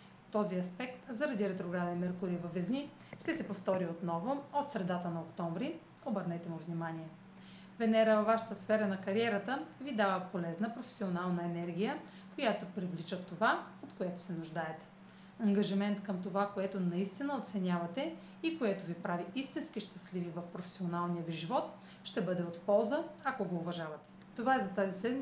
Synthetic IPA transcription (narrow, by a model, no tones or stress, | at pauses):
t̪ɔziɐspɛk̚t̪zɐɾɐd̪iɾɛt̪ɾoɡɾad̪ɛnmɛɾkʊɾivɐvɛzni | ʃt̪ɛsɛpoft̪ɔɾiot̪nɔvʊot̪sɾɛd̪at̪ənɐokt̪ɔmvɾi | obəɾnɛt̪ɛmʊvnʲimaniɛ | vɛnɛɾəvɐvːaʃə̥t̪əsfɛɾənɐkɐɾiɛɾət̪əvid̪avəpolɛznəpɾofɛ̥sionalˠnɐɛnɛɾɡ̟ijə | kojat̪opɾivlit͡ʃət̪ːovaot̪koɛt̪o̥sɛnʊʒd̪aɛt̪ɛ̥ | ɐŋɡɐʒimɛnt̪kəmt̪ovakoɛt̪onɐist̪inəot̪sɛnʲavɐt̪ɛ | ikoɛt̪ovipɾaviʔist̪inskiʃt̪ɐslivivɐfpɾofɛ̥sʲionalˠnijəviʒivɔt̪ | ʃt̪ɛbɤd̪ɛot̪pɔlˠzəɐkoɡoːvɐʒavɐt̪ɛ̥ | t̪ovaɛzɐt̪azisɛd̪m